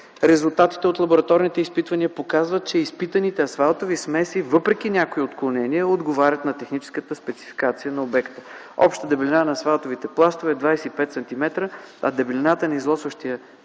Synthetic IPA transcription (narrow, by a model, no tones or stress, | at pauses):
ɾɛzulˠt̪at̪i̥t̪ɛot̪lˠɐboɾɐt̪ɔɾnit̪ɛispit̪vɐniəpokazvət̪̚t͡ʃɛispit̪ɐnit̪ɛɐsvalˠt̪ovismɛsivɤpɾɛk̟inʲakoiot̪klˠonɛniəod̪ɡovaɾʲət̪nɐt̪ɛxnit͡ʃɛ̥skət̪əspɛt̪si̥fi̥kat̪sijənɐobɛkt̪ə̥ | ɔ̰pʃt̪əd̪ɛblʲinanɐːsvalˠt̪ovit̪ɛplˠast̪ovɛd̪vajsɛipɛt̪sɛnt̪imɛt̪ɾəɐ̰d̪ɛblinat̪ənɐizlˠɔsvəʃt̪iə